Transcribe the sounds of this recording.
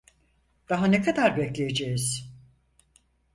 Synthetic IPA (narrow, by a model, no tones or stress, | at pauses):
d̪̥aɦanekʰad̪aɾbɛclʲejed͡ʒejiz̥